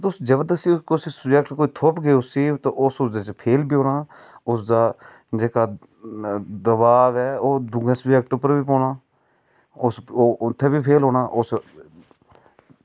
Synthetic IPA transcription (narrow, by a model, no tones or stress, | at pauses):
t̪ʊsd͡ʒəbəd̪əsiːkosiːsəd͡ʒɛkʈkoːiːt̪ʰʊpɡeːʊsiːt̪ãʔʊsʊsd̪et͡ʃpʰeːlbiːɦoːnaː | ʊsd̪aː | d͡ʒeːkaː | d̪əbaːʋɛːoːd̪ʊɡẽːsbd͡ʒɛk̚ʈoːpəɾbiːpɔ̃ːnaː | ʊsːʊt̪ʰːeːbiːpʰeːlɦoːnaːʔʊs